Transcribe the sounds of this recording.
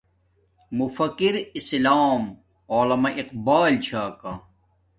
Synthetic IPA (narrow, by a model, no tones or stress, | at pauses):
mufɐkiɾislaːm | oːlɐmɐʔiqbaːlt͡ɕʰaːka